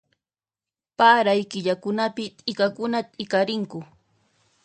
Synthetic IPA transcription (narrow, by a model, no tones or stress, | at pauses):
paːɾajkɪʎakʊnapɪt̪ʼɪkakʊnat̪ʼɪkaɾɪŋkʊ